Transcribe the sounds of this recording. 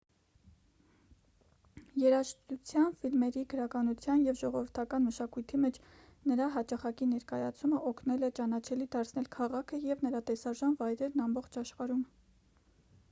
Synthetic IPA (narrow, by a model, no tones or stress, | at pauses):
jɛɾɑʃt̪ut͡sʰjɑnfilmɛɾiɡəɾɑkɑnut͡sʰjɑnjɛvʒɔʁɔvəɾt̪ʰɑkɑnməʃɑkujt̪ʰimɛt͡ʃʰ | nəɾɑɦɑt͡ʃɑχɑkinɛɾkɑjɑt͡sʰuməʔɔkʰnɛlɛt͡ʃɑnɑt͡ʃʰɛlid̪ɑɾt͡sʰnɛlkʰɑʁɑkʰəjɛvnəɾɑt̪ɛsɑʒɑnvɑjɾɛɾnɑmbɔχt͡ʃʰɑʃχɑɾum